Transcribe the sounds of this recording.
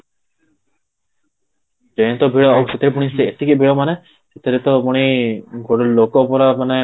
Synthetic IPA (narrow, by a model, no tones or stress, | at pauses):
d͡ʒejnt̪ɔbʱiɭɔawset̪ʰiɾep̬uɽ̃iseet̪ʰikibʱiɭɔmane | set̪ʰiɾet̪ɔpuɽ̃iɡoɽɔlokɔpɔɾamane